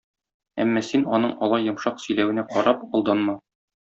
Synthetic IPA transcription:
æ̰mːɒsinɒnɤɴɒlˠɑjːɤ̆mʃɑqsɵ̆jlæwɘ̆næqɒɾɑpɒlˠd̪ɑnmɑ

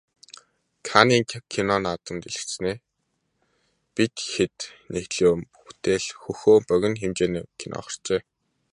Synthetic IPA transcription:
kʰaniːŋkʰinɔnat̪ə̆nt̪eɮɘ̆xt͡ɕsneː | pit̪xet̪nexɮoːmpuxt̪eːɮxɵxoːmpœɣʲɪ̆nxemt͡ɕeːnkʰinʔɔ̰χɞ̆rt͡ɕeː

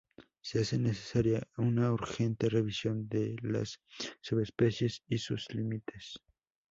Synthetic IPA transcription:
seasenese̥saɾjaunauɾxe̞nt̪e̞reβisjo̞nd̪ela̰sːuβespe̞sje̞sisṵslimit̪es

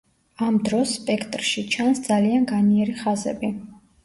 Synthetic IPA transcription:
amd̪ɾɔsːpʼɛkʰt̪ʼɾʃit͡ʃʰansd̪zalianɡaniɛɾiχazɛ̰bi

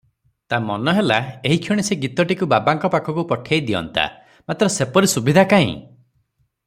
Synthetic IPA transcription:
t̪amɔnɔɦelaeɦikʰjiɽ̃iseɡit̪ɔʈikubabaŋkɔpakʰɔkupɔʈʰjajd̪iɔ̰nt̪a̰ | mat̪ɾɔsepɔɾisubid̪ʱakaḭ̃

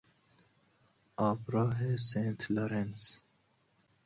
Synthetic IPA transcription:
aːpɾɑːɦesẽːnt̪ʰloɾens

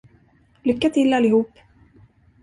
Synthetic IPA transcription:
lʏkːat̪ʰɪlːalːɪhuːpː

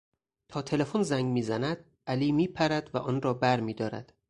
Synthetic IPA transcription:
t̪ʰɒːt̪ʰe̞le̞fonzæŋɡmiːzænæd̪̥̚ | ʔæliːmiːpʰæɾæd̪væʔɒːnɾɒːbæɾmiːd̪ɒːɾæ̰d̪̥

